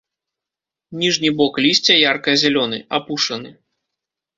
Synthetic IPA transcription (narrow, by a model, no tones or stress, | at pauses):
nʲiʐnʲibɔklʲisʲt͡sʲɐjarkɐjɐzʲɛlʲɔnɨapuʂɐnɨ